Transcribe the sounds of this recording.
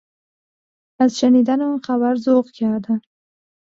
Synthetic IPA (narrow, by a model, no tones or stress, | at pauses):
azʃanid̪anamxaβaɾzoʁkɑd̪a